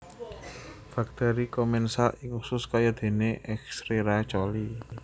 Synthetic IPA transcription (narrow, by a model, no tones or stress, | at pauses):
fak̚t̪ɔɾikɔmɛnsaʔɪŋusʊskajad̪̥e̤neʔɛksɾeɾat͡ʃɔli